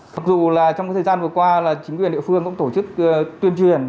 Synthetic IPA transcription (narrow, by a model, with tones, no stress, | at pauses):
ma˨˩k̚zu˧˨laː˨˩t͡ɕɔ˧wŋ͡mːt̪ʰəː˨˩zaː˧nvɨ˨˩kwaː˧laː˨˩t͡ɕï˨˦ŋ̟kwi˨˩nɗḭ˧˨fɨ˧əŋkʊ̰˧˥ŋ͡mt̪o˧˩t͡ɕɨ˦˥k̚ːt̪wi˧ənt͡ɕwi˨˩ən